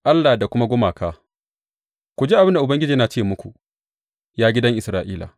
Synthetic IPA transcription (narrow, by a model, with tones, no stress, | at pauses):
ʔa˦lːa˨da˨kʷʊ˦ma˦ɡʷʊ˦maː˨kaː˦ | kʷu˨d͡ʒe˦a˨bɪ˦nda˨ʔʊ˨bɐ˦ŋɡʲɪ˦d͡ʒiː˨˦na˨t͡ʃeː˦mʊ˦kʷṵ˨ | jaː˦ɡʲɪ˦dɐ˦ŋʔɪ˨sɾaː˨ʔiː˦la̰ː˨